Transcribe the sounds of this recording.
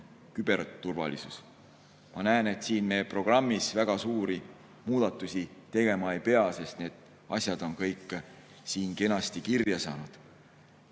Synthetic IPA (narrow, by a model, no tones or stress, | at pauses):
kyb̥e̞rt̪ːurvɑ̰lḭsus | mʔɑnæene̞t̪siːnmeːpro̞ɡ̥rɑmːisvæɡ̥ɑsuːɾi | muːd̪̥ɑt̪ːˑusit̪e̞ɡ̥e̞mɑe̞jpe̞ɑse̞st̪ne̞ːd̪̥ | ɑ̰sʲjɑd̪̥o̞nkɤjkːˑ | siːnke̞nɑst̪ikirjɑsɑ̰ːnud̪̥